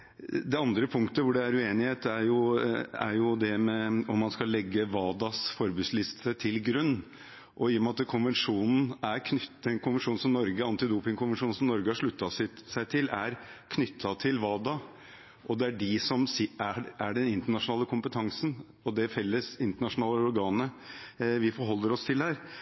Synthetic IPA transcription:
d̪ɛɑnd̪ɾəpʰʊŋkt̪əʋʊɖɛæɾʉeːnɪheːt̪æɾjʊæ̰ɾjʊd̪ɛmɛɔmːɑnskɑlːɛɡːəʋɑːd̪ɑsfɔɾbʉːslɪst̪ʰət̪ʰɪlɡɾʉnː | ʔɔɪjːɔmɑt̪kʰʊnʋɛnʂuːnn̩æɾkʰnʏt̪ɛnkʰʊnʋɛnʂuːn̩sɔmnɔɾɡəɑnt̪ɪd̪uːpɪŋkʰʊnʋənʂuːn̩sɔmnɔɾɡəhɑʂɭʉt̪ːɑsɪsæɪt̪ʰɪlæɾkʰnʏt̪ʰːɑt̪ʰɪlʋɑːd̪ɑ | ʔɔd̪ɛæɖɪsɔmsɪææɖɛnɪnt̪əɳɑʂʊnɑːləkʰʊmpət̪ʰɑŋsən̩ | ɔd̪ɛfɛlːəsɪnt̪əɳɑʂʊnɑːləəɔɾɡɑːnə | ʋɪfɔɾɦɔlːəɾɔst̪ʰɪlhæːɾ

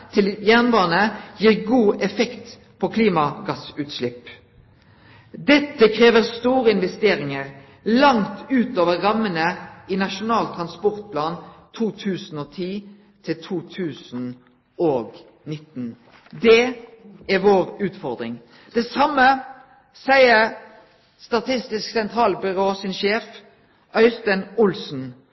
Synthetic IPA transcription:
t̪ʰɪljæʁnbɑːnəjiːʁɡuːʔɛfɛkt̪ | pʰɔkʰliːmɑɡɑsʉːt̪ʃlɪp | d̪ɛt̪ːəkʰʁeːʋəʁst̪uːʁəɪnʋɛst̪eːʁɪŋəʁ | lɑŋt̪ʉːt̪oːʋəʁɑmənəɪnɑʃʊnɑːlt̪ʰʁɑnspɔʁt̪̚pʰlɑːnt̪ʰuːt̪ʰʉːsn̩ɔːt̪ʰiː | t̪ʰɪlt̪ʰuːt̪ʰʉːsn̩ | oːɡ | nɪt̪ːn̩ | d̪ɛ | æʁʋoːʁʉːt̪fɔʁd̪ʁɪ̰ŋ | d̪̥ɛsɑmːə | sæɪəʁ | st̪ɑt̪ʰɪst̪ɪsksɛnt̪ʰɾɑːlbʏʁoːsɪnʃeːf | œʏst̪ənʊlsn̩

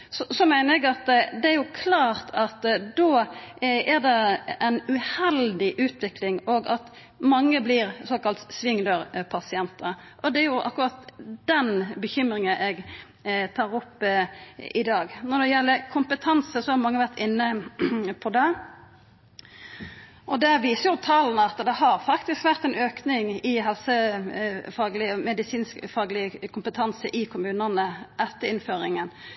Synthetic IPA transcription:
sɔsɔmæɪnəɾɛɡɑt̪d̪ɛæɾjʊkʰlɑːɾt̪ʰɑt̪d̪oː | æɾd̪ɛɛɪnʉhɛld̪ɪʔʉːt̪ʰʋɪklɪŋɔɡɑt̪ | mɑŋːəblɪɾsoːkɑlt̪sʋɪŋləɾpʰɑsɪɛnt̪əɾʔɔd̪ɛæɾjʊʔɑ̰kːʊɾɑt̪d̪ɛnbəçʏmɾɪŋəʔɛɡ | t̪ʰɑːɾɔpː | ɪd̪ɑːɡnɔɾd̪ɛjɛlːəkʰʊmpət̪ʰɑnsəsɔhɑɾmɑŋːəʋæʁt̪ɪnːəpʰɔd̪ɛ | ʔɔd̪ɛʋiːsəɾjʊt̪ʰɑːlnəɑt̪d̪ɛɦɑɾfɑkt̪ɪskʋæʁt̪ɛnøːknɪŋɪɦɛlsə | fɑːɡlɪmɛd̪ɪsiːnskfɑːɡlɪkʰʊmpət̪ʰɑnsəʔɪkʰʊmʉːnənəʔɛt̪ːəɾɪnføːɾɪŋən

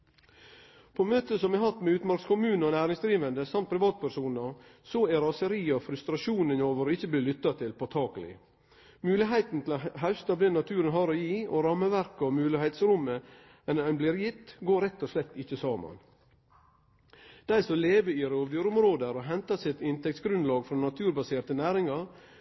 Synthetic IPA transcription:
pʰomøːt̪əsɔmɛhɦɑt̪ːmɛʉːt̪mɑɾkskʊmʉːnɔnæːɾɪŋsd̪ɾiːʋənd̪əsɑmt̪̚pʰɾɪʋɑːt̪̚pʰæʂuːnəsɔæɾɑsəɾiːɔfɾʉst̪ɾɑʃuːnənoːʋəɾoːɪçːəbliːlʏt̪ːɑt̪ʰɪlpʰɔt̪ʰɑːkəlɪ̰ | mʉːlɪɦæɪt̪n̩t̪ʰɪlɔɦɑʉst̪ɑʋd̪ɛnːɑt̪ʰʉːɾənɦɑɾoːjiːɔɾɑmːəʋæɾkɔmʉːlɪhæɪt̪sɾʊmːə | ɛnɛnbliːɾjɪt̪ːɡoːɾɛt̪ːɔslɛt̪ːɪçːəsɑːmɑ̰n | d̪̥æɪsɔleːʋəɪɾoːʋd̪yɾʊmɾoːd̪əɾɔɦɛnt̪ɑsɪt̪ɪnt̪ʰɛk̚t̪sɡɾʉnlɑːɡfɾɔnɑt̪ʰʉːɾbɑseːɾt̪ənæːɾɪŋɑɾ

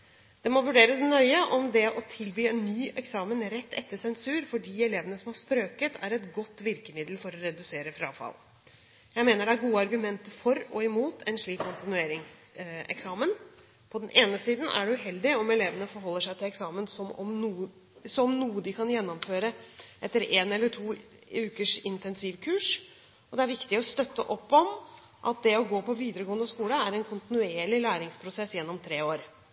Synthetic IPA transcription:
d̪̥ɛmɔʋʉɖeːɾəsnœʏəʔɔmd̪ɛʔɔt̪ʰɪlbyːɛnːyːʔɛksɑːmənɾɛt̪ːɛ̰t̪ːəsɛnsʉːɾfɔɖiːɛleːʋənəsɔmɑʂt̪ɾøːkət̪ʰæ̰ɾɛt̪ɡɔt̪ːʋɪɾkəmɪd̪lfɔɾɔɾɛd̪ʉseːɾəfɾɑ̰ːfɑ̰l | jæɪmeːnəɖɛæɾɡuːəɑɾɡʉmɛnt̪əfɔɾɔɪmuːt̪ʰɛnʂɭiːkkɔnt̪ɪnʉeːɾɪŋsɛ̰ksɑːmən | pʰɔd̪ɛnʔeːnəsiːd̪n̩ʔæ̰ɖɛʉɦɛld̪ɪɔmɛleːʋənəfɔɾɦɔlːəʂæɪt̪ʰɪlɛksɑːmənsɔmɔ̰mnuː | sɔmnuːəd̪ɪkʰɑnjɛnːɔmføːɾəʔɛt̪ːəɾeːnɛlːəʈʰuː | ʉːkəʂɪnt̪ɛnsiʋkʰʉːʂ | ɔd̪ɛæɾʋɪkt̪ɪɔst̪œt̪ːə̰ʔɔpːɔm | ʔɑ̰t̪̚d̪ɛɔɡoːpɔʋiːd̪əɾəɡoːənd̪əskuːləæɾɛnkʰʊnt̪ɪnʉeːɭɪlæːɾɪŋspʰɾʊsɛsːjɛnːɔmt̪ʰɾeːoːɾ

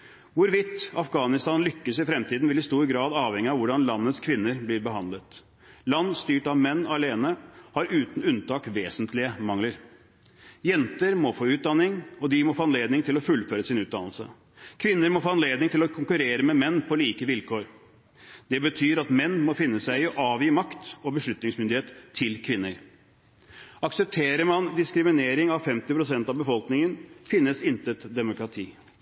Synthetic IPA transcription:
ʋʊɾʋɪt̪ɑfɡɑːnɪst̪ɑːnlʏkːəsɪfɾɛmt̪ʰiːd̪n̩ʋɛlɪst̪uːɾɡɾɑːd̪ɑːʋhɛŋːɪɑʋʊɖɑnlɑnːət̪skʰʋɪnːəɾblɪɾbəɦɑnd̪lət̪ | lɑnːst̪yːʈɑʋmɛnːɑleːnəhɑɾʉːt̪n̩ʉnt̪ʰɑːkʋeːsənt̪ʰlɪəmɑŋləɾ | jɛnt̪əɾmɔfoːʉːt̪̚d̪ɑnːɪŋɔd̪ɪmɔfoːɑnleːd̪nɪŋt̪ʰɪlɔfʉlføːɾəsɪnʉːt̪d̪ɑnlsə̰ | kʰʋɪnːəɾmɔfoːɑnleːd̪nɪŋt̪ʰɪlɔkʰʊŋkʉɾeːɾəmɛmɛnːpʰɔliːkəʋɪlkʰoːɾ | d̪̥ɛbət̪ʰyːɾɑt̪mɛnːmɔfɪnːəsæɪʔɑːʋɪmɑkt̪ɔbəʂɭʉt̪nɪŋsmʏnd̪ɪheːt̪ʰːɪlkʰʋɪnːəɾ | ɑksəp̚t̪ʰeːɾəɾmɑnd̪ɪskɾɪmɪneːɾɪŋɑʋfɛmt̪ɪpʰɾʊsɛnt̪ɑʋbəfɔlknɪŋənfɪnːəsɪnt̪ət̪d̪ɛmʊkɾɑt̪ʰiː

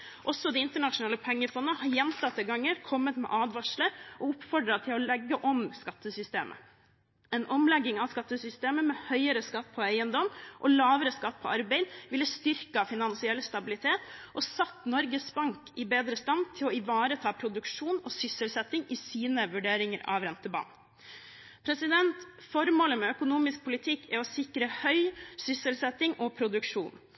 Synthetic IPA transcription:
ʔɔsːɔd̪ɛɪnt̪əɳɑʂʊnɑːləpʰɛŋːəfɔnːəəhɑɾjɛnt̪ʰɑt̪ːəɡɑŋːəɾkʰɔmːət̪mɛ̰ʔɑːd̪ʋɑʂləɾʔɔʊpfɔɖɾɑt̪ʰɪlɔlɛɡːəʔɔmskɑt̪ːəsʏst̪eːmʔə̰ | ɛnʔɔmlɛɡːɪŋɑʋskɑt̪ːəsʏst̪eːməmɛhœʏəɾəskɑt̪ːpʰɔæɪənd̪ɔmʔɔlɑːʋəɾəskɑt̪ːpʰɔɑɾbeɪd̪ʋɪlːəst̪ʏɾkəfɪnɑnsɪɛlːst̪ɑbɪlɪt̪ʰeːt̪ʔɔsɑt̪ːnɔɾɡəsbɑŋkɪbeːd̪ɾəst̪ɑnd̪t̪ʰɪlɔɪʋɑːɾət̪ʰɑːpʰɾʊd̪ʉkʂuːnɔsʏsəlsɛt̪ːɪŋɪsiːnəʋʉɖeːɾɪŋəɾɑ̰ʋɾɛnt̪əbɑ̰ːn | pʰɾɛsɪd̪ɛnt̪fɔɾmoːləmɛœkʊnuːmɪsk̚pʰʊlɪt̪ʰɪkːɛɔsɪkɾəhœʏsʏsəlsɛt̪ːɪŋɔpʰɾʊd̪ʉkʂṵːn

